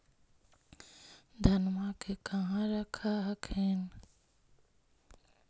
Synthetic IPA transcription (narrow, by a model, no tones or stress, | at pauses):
d̪ʱənmakekəɦãɾəkʰaɦəkʰen